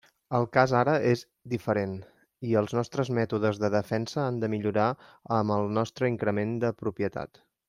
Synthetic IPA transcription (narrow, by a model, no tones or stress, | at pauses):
əlˠkazaɾəʔez | d̪ifəɾen | iəlˠznɔst̪ɾəzmɛt̪uð̞əzðəðəfɛnsəand̪əmiʎuɾaəməlˠnɔst̪ɾəiŋkɾəmend̪əpɾupjət̪a̰t̪